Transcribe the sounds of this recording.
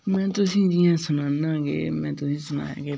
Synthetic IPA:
mɛ̃ːt̪ʊs̬ĩːd͡ʒɪjãːsʊnaːnãːɡḛːmɛ̃ːt̪ʊsĩːsʊna̰ːja̰ːkeː

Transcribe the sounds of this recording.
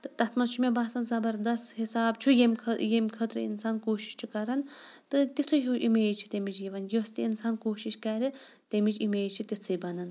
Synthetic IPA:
t̪ɨt̪ɐt̪ʰmɐnt͡ʃʰumebaːsɐnzɐbɐɾd̪ɐst̪hisaːb̚t͡ʃʰujemʲkʰjemkʰɐt̪ɾɨ̰ḭnsaːnkoːʃi̥ʃt͡ʃʰukɐɾɐnt̪ɨt̪it̪ʰujuʔimeːt͡ʃʰi̥t̪emid͡ʒjiʋɐnjost̪iinsaːnkoːʃiʃkɐɾi | t̪emid͡ʒimeːt͡ʃʰit̪it͡sʰɨbɐnɐn

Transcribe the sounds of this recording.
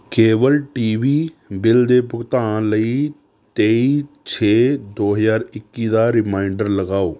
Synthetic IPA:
keːʋəlʈiːʋiːbɪld̪eːpʊkt̪aːãləiː | t̪eːiː | t͡ʃʰeːd̪oːɦəzaːɾɪkːiːd̪aːɾɪmaːɪɳɖəɾləɡaːoː

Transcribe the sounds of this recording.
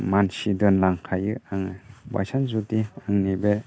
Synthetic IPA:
mansidɯnlaŋkʰajɯaŋaba̰jsanzutiaŋnibe

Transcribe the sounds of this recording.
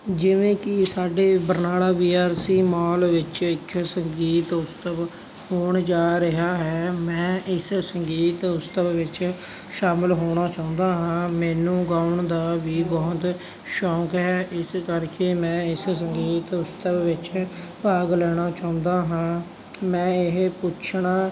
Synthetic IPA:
d͡ʒɪʋẽːkɪsaːɖeːbəɾnaːlaːʋiːaːɾsiːmaːlʋɪt͡ʃɪkʰsəŋɡiːt̪ʊst̪əb | hoːɳd͡ʒaːɾɪɦaːɦɛːmɛ̃ːʔɪssəŋɡiːt̪ʊst̪əbʋɪt͡ʃ | ʃaːmɪlɦoːɽ̃aːt͡ʃaːʊ̃nd̪aːɦãːmɛːnũːɡaːʊɳd̪aːʋiːbɔɦʊt̪ | ʃɔːkɦɛːʔɪskəɾkeːmɛ̃ːɪssəŋɡiːt̪ʊst̪əbʋɪt͡ʃpaːɡlɛːɽ̃aːt͡ʃaːʊ̃nd̪aːɦãː | mɛ̃ːɪɦpʊt͡ʃʰɳaː

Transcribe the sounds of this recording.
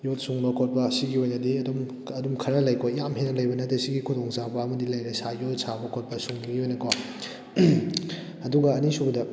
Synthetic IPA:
jot̚suŋbɐkʰot̚bɐsiɡiojnɐdiɐdom | ɐdumkʰɐɾɐlɐjkʰojamɦenɐlɐjbɐnɐtɐsiɡikʰudɔŋzabɐːmɐdilɐjɾɐsajot̚sabɐkʰot̚bɐsuŋniɡiojnɐkʰo | ɐduɡɐːnisuɡɐdɐ

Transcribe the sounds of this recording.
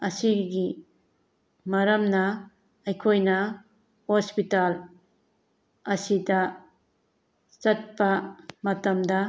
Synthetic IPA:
ɐsiɡi | mɐɾɐmnɐ | ɐjkʰojnɐ | hospital | ɐsidɐ | t͡ʃɐt̚pɐmɐtɐmdɐ

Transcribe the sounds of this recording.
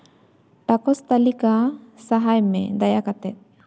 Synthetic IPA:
ʈakɔst̪alikasaɦajmɛ̰d̪ajakat̪ɛt̪̚

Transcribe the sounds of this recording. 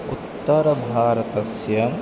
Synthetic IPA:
ut̪ːɐɾɐbʱaːɾɐt̪ɐsjɐm

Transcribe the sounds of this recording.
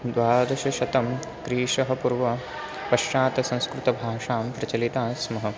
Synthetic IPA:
d̪ʋaːd̪ɐʃɐʃɐt̪ɐm | kɾiːʂɐɦɐ̆puɾʋɐ | pɐʃjaːt̪ɐsɐ̃ñskɾut̪ɐbʱaːʂaːmpɾɐt͡ʃɐlit̪aːsmɐɦɐ̆

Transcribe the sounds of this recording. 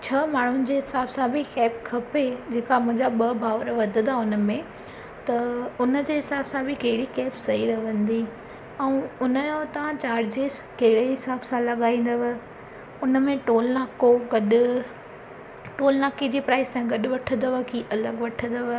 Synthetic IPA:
t͡ɕʰɐmaːɳ̤ʊnɪ̆d͡ʑeːɦɪsaːbsãbʱɪxɛːpkʰɐped͡ʑeːkamʊ̃ɦɪ̃ɲd͡ʑaɓɐbʱaːʋɾʋɐd̪ʱəd̪aʊnəmẽ | t̪ɐʊnəd͡ʑeːɦɪsaːbsãbʱɪkɐɦɪɽikɛːpsɐiɾɐʋə̃nd̪i | ɛ̃ũʊnəjot̪ɐʋ̤ãt͡ɕaːɾd͡ʑeːz | kɐɦɪɽeɦɪsaːbsãlɐɠaːĩːn̆d̪əʋə̆ | ʊnə̆mẽʈoːlnaːkoɡɐɗʊ | ʈoːlnaːkid͡ʑiːpɾaːɪst̪ãːɦĩɡɐɗʊ̆ʋɐʈʰə̃nd̪əʋəkiʔɐləɡʋɐʈʰə̃nd̪əʋ

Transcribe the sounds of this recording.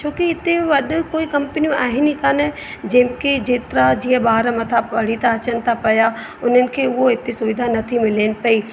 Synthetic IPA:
t͡ʃõːkiɪt̪ẽʋɐɗkoːikɐ̃mpnijũʔaːɦɪnikane | d͡ʒẽːmkid͡ʒeːt̪ɾad͡ʒiːɦɛbaːɾəmɐt̪ʰapɐɽ̤it̪ʰaɐt͡ʃənt̪ʰapɐja | ʊn̤ənɪ̆kʰeoɪt̪isʊʋɪd̪ʱanɐt̪ʰimɪleːnpɐiː

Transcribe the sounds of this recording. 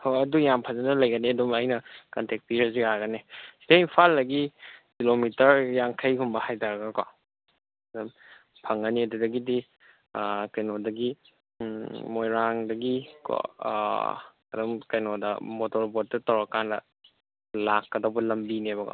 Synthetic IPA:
hoɐdujampʰazanɐlɐjɡɐniɐdumɐjnɐkɐntek̚piɾɐziaɡɐnesidaimpʰalːɐɡikilomitɐɾjaŋkʰɐjkumbɐhajtaɾɐɡɐka | ɐdɐm | pʰɐŋːɐniɐdudɐɡidi | kɐjnodɐɡi | mojɾaŋdɐɡiko̰ | ɐ̰dɔmkɐjnodɐ̰motɔɾbot̚ːɐtɐwɾɐkːanlɐ | lakːɐdɐbɐlɐmbinebɐka̰

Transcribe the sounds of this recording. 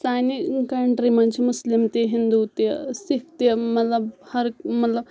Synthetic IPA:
saːnikɐɳʈɾimɐnt͡ʃʰmʊslimt̪eɦɪ̃nd̪ut̪esikʰt̪emɐt̪lɐbhɐɾmɐt̪lɐb

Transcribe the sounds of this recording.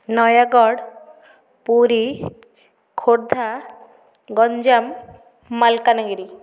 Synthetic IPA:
nɔjaɡɔɽ | puɾi | kʰoɽd̪ʱa | ɡɔɲd͡ʒamː | alkanaɡiɾi

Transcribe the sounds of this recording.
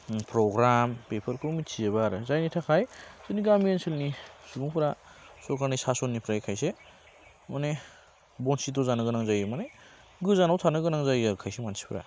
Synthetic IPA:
pɾɔɡɾampepʰɐɾkʰomitsʰieβaɾɯzajnitʰakʰajzɯniɡamijanselnisubuŋpʰɾasɔkʰaɾnisasɔnːipʰɾaekʰajse | mane | bɔnsidɔzanɯɡɯnaŋzajɯmane | ɡɯzanawtʰanɯɡɯnaŋzajaɾukʰajsemansi̥pʰɾa̰

